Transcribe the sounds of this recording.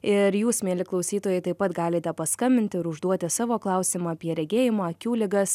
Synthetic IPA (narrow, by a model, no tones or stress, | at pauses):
ɪɾjuːsmʲeːlʲɪklˠɐʊsʲiːt̪oːjɛɪt̪ɐɪpɐt̪ɡɑːlʲeːt̪ʲɛpɐskɐmʲbʲɪnt̪ʲɪɪɾʊʒd̪uɔt̪ʲɪsɑːʋoːklˠɑˑʊsʲɪmɑːɐpʲiɛɾʲɛɡʲeːjɪmoɐkʲuːlʲɪɡɐs